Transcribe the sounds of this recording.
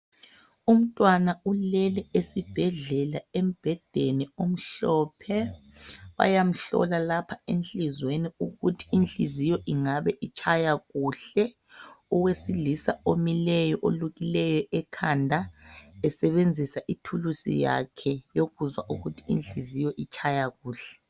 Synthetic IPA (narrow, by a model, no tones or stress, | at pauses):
um̩tʼwanaulɛlɛesib̥ʱɛɮɛlaem̩b̥ʱɛd̥ʱeniom̩ɬɔːpʰɛ | βa̰jam̩ɬɔ̰lalapʰaent͡ɬʼizweniuɣutʰi̥int͡ɬḭzijɔʔiŋaβɛʔit͡ʃʰʼajaɣuːɬɛ | ɔwesilisaomilɛjɔʔoluɣilɛjɔʔɛkʰandʱaɛsɛβend͡zʱisaʔitʰulusḭja̰kʰɛjoɣuzwaʔuɣutʰi̥ḭnt͡ɬizijɔʔit͡ʃʰʼajaɣuːɬɛ̥